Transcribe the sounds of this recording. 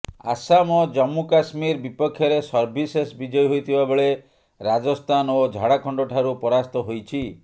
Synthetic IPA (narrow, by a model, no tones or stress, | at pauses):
a̰samɔd͡ʒɔmːukasmiɾbipɔkʰːjɔɾesɔɾbʱisesbid͡ʒɔjɦojt̪ʰibabeɭe | ɾad͡ʒɔst̪ʰanod͡ʒʱaɽakʰɔɳɖoʈʰaɾupɔɾast̪ɔɦojt͡ʃʰi